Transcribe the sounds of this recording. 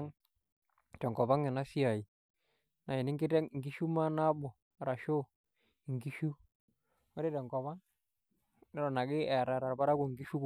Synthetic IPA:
ŋ | tɛ˨ŋkɔ˨ba˦ŋɛ˨na˦si˦a˨i˨ | na˨jɪ˨nɪ˦ŋɡɪ˦tɛ˦˨ŋ˨ɡi˦ʃu˦ma˦na˦bɔ˨ | ɾa˨ʃo˦˨ | ŋɡi˦ʃu˦ | wɔ˦ɾɛ˦tɛ˨ŋkɔ˨βa˦ŋ | nɛ˦ɾɔ˨na˨ɡɪ˦ɛ˨ɾa˨ɾa˨ɾba˦ɾa˦ko˨ŋɡi˦ʃu˦

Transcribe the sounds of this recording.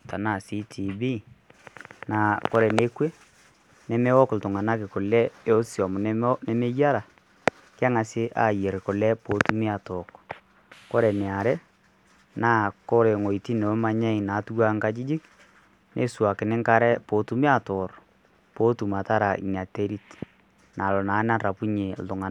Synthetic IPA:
ta˨na˨si˦tʰi˨bi˦ | na˨kɔ˦ɾɛ˨ne˦kwe˦ | nɛ˨me˦wɔ˦kʊ˨ltʊ˨ŋa˨na˦k̬ɪ˨kʊ˨lɛ˦e˦o˦sjɔ˨mʊ˨nɛ˦nɛ˦me˦ja˦ɾa˨ | kɪ˦a˦ŋa˨sɪ˦ʔa̰˦˨je˨ɾkʊ˨lɛ˦po˨˦tu˦mɪ˦a˨tɔ˨k | ko˦ɾɛ˨nɛ˨a˨ɾɛ˦ | naː˦˨ko˦ɾe˨ŋo˨i˨ti˦ne˨˦ma˦ɲɛ˦ɪ˨na˨˦tu˦wa˦ŋka˦t͡ʃɪ˦d͡ʒɪ˦k | nʔḛ˨˦swa˨kɪ˨nɪ˦ŋka˦ɾɛ˦po˨˦tu˦mɪ˦a˦tɔ˨r | po˨˦tu˨ma˨ta˦ɾa˨ḭ˨ɲa˨te˦ɾi˦t | na˨lɔ˨naː˨˦na˦ra˨pu˦ɲe˨ltʊ˨ŋa˨na˦

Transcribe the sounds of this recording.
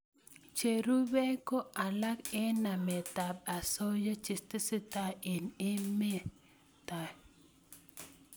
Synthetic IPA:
t͡ʃe˨ɾu˦be˦ko˦ʔa˨la˦ke˦na˨mɛ˨ta˨ba˨so˦jo˦t͡ʃɪ˨stɪ˦sɪ˦ta˦ɪ˨nɪ˦mɛ˦ | t̪a˨

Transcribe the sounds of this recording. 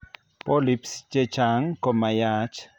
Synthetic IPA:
pɔ˦lipst͡ʃɛ˦t͡ʃa˨ŋkɔ˨ma˨ja˦t͡ʃ

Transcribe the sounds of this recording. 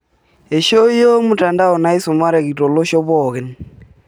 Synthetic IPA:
e˨ʃo˦i˦jo˦mu˨ta˨nda˦ɔ˨na˦i˦so˨ma˦ɾɛ˨ɣi˨tɔ˨lo˦ʃɔ˦βɔ˨ɣɛ˨n

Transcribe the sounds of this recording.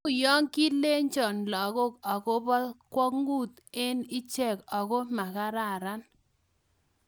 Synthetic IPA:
jɔ˦ŋki˦le˦ɲt͡ʃɔ˨nlɔ˨ɡo˦kɔ˨ko˦bɔ˦ðkwɔ˦kŋɡu˦˨t̪e˦nɪ˦t͡ʃɛ˦˨kɔ˨ko˦ma˨ka˦ɾa˨ɾa˦n

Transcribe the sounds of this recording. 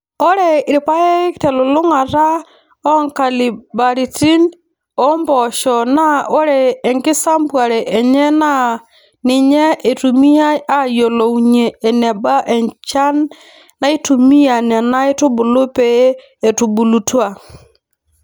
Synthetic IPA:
o˦ɾe˦˨ɾi˨pa˦e˦ktɛ˨lo˨lʊ˦ŋa˨ɾa˦ | ɔ˦ŋka˨li˨ba˨ɾi˨ti˦n | ɔ˦mbɔ˨ʃɔ˨na˦o˦ɾɛː˨ŋkɪ˦sa˦mbwa˨ɾɛ˨ʔɛ˨ɲɛ˦na˦ | nɪ˨ɲɛ˦e˨tu˨mi˦a˦a˦jɔ˨lɔ˨u˨ɲɛː˨nɛ˨ba˦ʔɛ˨ɲt͡ʃa˦nː | a˦i˦tu˨mi˦a˨nɛ˨na˦e˦tu˦bʊ˨lo˦pɛ˨˦ | ɛ˨tu˨bu˨lu˨twa˨

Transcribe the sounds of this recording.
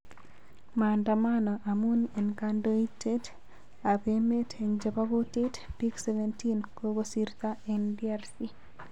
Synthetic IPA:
ma˨nda˨manɔ˨ʔa˨mu˦ne˨nkando˦i˦te˦t | a˨beme˦tʰeɲd͡ʒe˨pa˦ɡo˦te˦tpi˦kse˦ventinko˦ɡo˦si˦ɾt̪aɛndia˦rsi

